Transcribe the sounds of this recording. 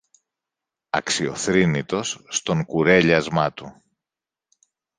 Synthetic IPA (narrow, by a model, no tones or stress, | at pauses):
ɐ̰ksio̞̰θɾinit̪o̞sːt̪o̞ŋkuɾe̞ʎɐzmɐt̪u